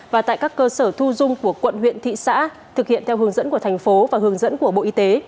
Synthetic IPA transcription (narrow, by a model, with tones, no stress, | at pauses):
vaː˨˩t̪a̰ː˧˨jkaː˦˥kːəː˧səː˧˩t̪ʰu˧zʊ˧ŋ͡mku˧˩əkwə̰˧˨nhwḭ˧˨ənt̪ʰḭ˧˨sa̰ː˧˥ | t̪ʰɨ˨˩k̚hḭ˧˨ənt̪ʰɛ˧wɦɨ˨˦əŋzə̰˧˥nku˧˩ət̪ʰa˨˩ŋ̟fo˨˦vaː˨˩hɨ˨˦əŋzə̰˧˥nku˧˩əɓo̰˧˨ʔi˧t̪e˨˦